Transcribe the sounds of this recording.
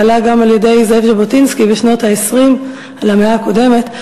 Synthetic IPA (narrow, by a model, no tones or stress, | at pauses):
laɡamaljede̞jzevʒebotinskibeʃno̞thaesʁim | alameaːko̞de̞me̞t